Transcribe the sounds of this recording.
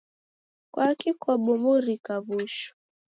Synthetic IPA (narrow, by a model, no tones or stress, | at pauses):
kwakikɔɓɔmuɾikaβuʃɔ̥